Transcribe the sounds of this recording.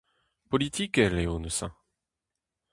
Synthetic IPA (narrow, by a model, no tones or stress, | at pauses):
pɔlit̪ikɛleonəsɛ̰̃